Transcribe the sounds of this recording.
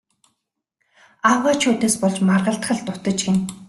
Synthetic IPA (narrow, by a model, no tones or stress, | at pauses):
awaːt͡ɕʰuːt̪eːspɔɮt͡ɕmarʁə̆ɬt̪χə̆ɮt̪ʊt̪ə̆t͡ɕɡen